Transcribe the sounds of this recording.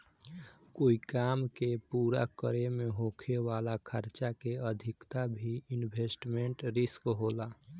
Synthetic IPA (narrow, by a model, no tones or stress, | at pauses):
koikamkepuɾa̰kəɾemeɦokʰeʋalakʰəɾt͡ʃakeəd̪ʱikt̪abʱiinbʱesʈmeɳʈɾiskɦola